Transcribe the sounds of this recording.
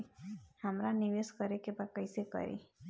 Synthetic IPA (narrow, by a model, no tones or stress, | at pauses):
həmɾaniʋeskəɾekebakəjsekə̰ɾḭ